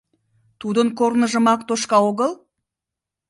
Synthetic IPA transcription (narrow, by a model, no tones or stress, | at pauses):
t̪ud̪ənkoɾnə̆ʒə̆mɑk̚t̪oʃkɑoɣəlˠ